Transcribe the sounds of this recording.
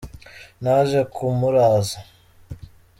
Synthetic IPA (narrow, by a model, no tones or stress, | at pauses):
naːʒekʰumuɾaːza